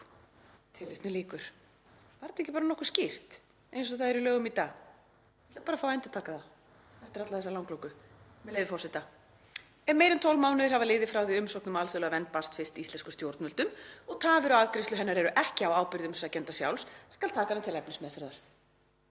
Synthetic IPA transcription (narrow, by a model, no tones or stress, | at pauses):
t̪ʰɪlʏht̪nʏliːkʏɾ̥ | vaɾt̪ehcːɪpaːɾanɔhkʏɾ̥scɪr̥t̪ | ejns̬ɔθaðɛɾɪlœːɣʏmit̪aːɣ | ḁpaːɾafaːwɛjnt̪ʏɾ̥t̪ʰaːkaθa | θɛft̪ɪɾat̪laθɛsːalawŋklowkʏ | mɛðlejðɪfɔrsɪt̪a | ɛnmeːjɾɪnt̪ʰowlmaːwnʏðɪɾ̥havalɪːðɪfɾawðiʏmsɔknʏmalθœlœɣavɛnt̪̚past̪fɪst̪iist̪lɛnskʏ̥st̪jowɾt̪nʏlt̪ʏmɔɣt̪ʰaːvɪɾawaðkɾɪst̪ʏɦɛnːaɾɛɾʏʔɛhcɪawaːwpɪɾðʏmsacɛnt̪asja̰wlsskalt̪ʰaːkanat̪ʰɪlɛpnɪsmɛðfɪɾðaɾ̥